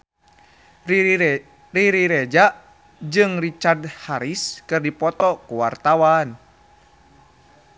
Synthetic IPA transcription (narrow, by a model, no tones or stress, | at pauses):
riɾiɾɛd͡ʒaʔ | d͡ʒɨŋrit͡ʃardhaɾiskɨrdipɔt̪ɔkuwa̰rt̪awan